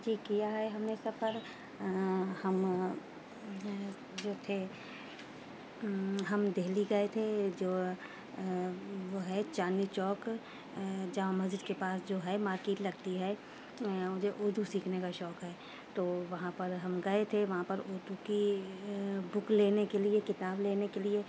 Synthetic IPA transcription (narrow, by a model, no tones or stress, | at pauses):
d͡ʒiːkijaɦɛɦɐmnesɐfəɾ | hɐm | d͡ʒoːt̪ʰe | ɦɐmd̪eːliɡɐet̪ʰed͡ʒoː | ʋoɦɛt͡ʃaːnit͡ʃɔːk | d͡ʒaːmɐd͡ʒɪd̪kepaːsd͡ʒoːɦɛmaːɾkeːʈ̪lɐɡt̪iɦɛː | mʊd͡ʒʱeʔoːd̪ʱusiːkʰnekaʃɔːkɦɛː | t̪oːʋɐɦãpɐɾɦɐmɡɐet̪ʰeʋɐɦãpɐɾoːd̪ʱuki | bʊkleːnekeliekɪt̪aːbleːnekelie